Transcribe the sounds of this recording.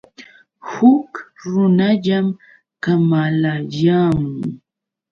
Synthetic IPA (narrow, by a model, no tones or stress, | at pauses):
hʊkɾʊnaʎam | kamalajaːmʊ